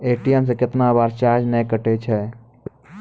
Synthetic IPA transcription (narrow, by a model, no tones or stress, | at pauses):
eːʈijɛms̬ekɪt̪nabaːɾt͡ʃaːɾd͡ʒnə̃kəʈet͡ʃʰɛ